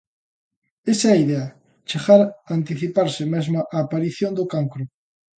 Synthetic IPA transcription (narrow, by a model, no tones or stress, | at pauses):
esaaiðea | t͡ʃeɣaɾant̪iθipaɾsɪmezmaʔaːpaɾiθjond̪ʊkaŋkɾʊ